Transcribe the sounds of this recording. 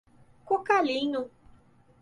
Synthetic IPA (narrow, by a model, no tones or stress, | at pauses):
kokalĩɲʊ